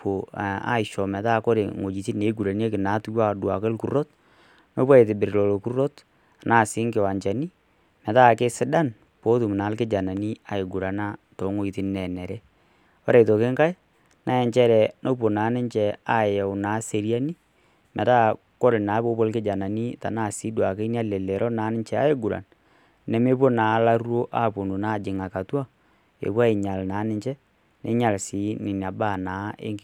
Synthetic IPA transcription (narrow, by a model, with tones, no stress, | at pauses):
po˨a̰˦ɪ˨ʃɔ˨mɛ˨ta˦˨ko˦ɾɪ˨ŋo˨d͡ʒi˨ti˦ne˨˦ɡu˨ɾa˨n˦e˦kɪ˨na˨˦tu˦wa˦˨dwa̰˨kɪ˦lku˨ro˦t | no˦pa˦e˨tɪ˨bɪ˨ɾlɔ˨lo˨ku˦ro˦t | a˨na˨sɪ˨˦ŋkɪ˨wa˨ɲt͡ʃa˨ni˦ | mɛ˨ta˦˨ke˦sɪ˦da˦˨n | po˦tu˨m˨na˨˦lkɪ˦d͡ʒa˨na˨ni˦a˨ɪ˨ɡu˨ɾa˨na˦to˨˦ŋo˦i˨ti˦nɛ˨nɛ˨ɾɛ˦ | wɔ˦ɾɛ˨to˨kɪ˦ŋka˦j | na˨jɛ˨ɲt͡ʃɛ˦ɾɛ˨nʔo˦p̬o˨na˨˦nɪ˦ɲt͡ʃɛ˨a˦jɛ˨wnaː˨˦se˨ɾi˦a˦ni˦ | mɛ˨ta˦ | ko˦ɾnaː˨˦po˦po˦lkɪ˦d͡ʒa˨na˨ni˦ta˨na˦˨si˦dwa˨ke˦ni˦a˦lɛ˨lɛ˨ɾʔɔ˦na˨˦nɪ˦ɲt͡ʃɛ˨a̰˦e˦ɡu˨ɾa̰˨n | nɛ˨me˦p̬o˦na˨˦la˦ɾu˦o˦ʔa˦po˨nu˨na˦˨d͡ʒɪ˨ŋa˨ka˨twa˦ | ḛ˨pwa˦e˨ɲa˨lnaː˨˦nɪ˦ɲt͡ʃɛ˦ | ne˦ɲa˨lsi˨˦nɪ˨n˨a˨ba˦˨naː˨˦ḛ˦ŋ